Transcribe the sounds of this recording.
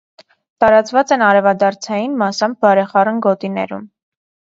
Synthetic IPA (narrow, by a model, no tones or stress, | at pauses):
t̪ɑɾɑt͡svɑt͡sɛnɑɾɛvɑd̪ɑɾt͡sʰɑjinmɑsɑmb̚bɑɾɛχɑrənɡɔt̪inɛ̰ɾṵm